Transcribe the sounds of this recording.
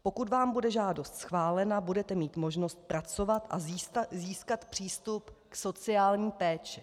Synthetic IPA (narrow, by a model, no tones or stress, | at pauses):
po̞kut̪vaːmbudɛʒaːdo̞st̪sxvaːlɛnabudɛt̪ɛmiːt̪mo̞ʒno̞st̪̚pɾat͡so̞vat̪ʔaziːskat̪pr̥iːst̪upkso̞t͡sɪaːlɲiːpɛːt͡ʃɛ